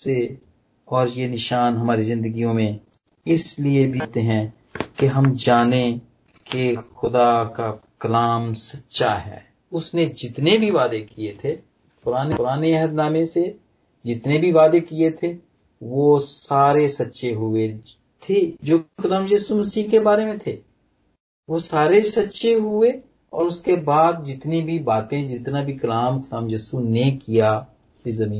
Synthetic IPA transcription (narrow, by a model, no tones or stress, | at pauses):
se | ɔːɾjenɪʃaːnɦɐmaːɾizɪ̃nd̪əɡijõmẽ | ɪsliebʱit̪eɦɛ̃ː | keɦɐmd͡ʒaːnẽ | kexʊd̪akakɐlaːmsɐtːʃaɦɛ̰ː | ʊsned͡ʒɪt̪nebʱiʋaːd̪ekiet̪ʰe | pʊɾaːneʊɾaːneɛɦəd̪naːmẽse | d͡ʒɪt̪nebʱiʋaːd̪ekiet̪ʰe | ʋoːsaːɾesɐtːʃeɦʊe | t̪ʰed͡ʒoːxʊd̪aːmjɛːsumɐsiːɦkebaːɾemẽt̪ʰeː | ʋosaːɾesɐtːʃeɦʊe | ɔ̰ːɾʊskebaːd̪̚d͡ʒɪt̪nẽbʱibaːt̪ẽd͡ʒɪt̪nabʱikɐlaːmxʊd̪aːmjɛːsunekija | ezɐmiː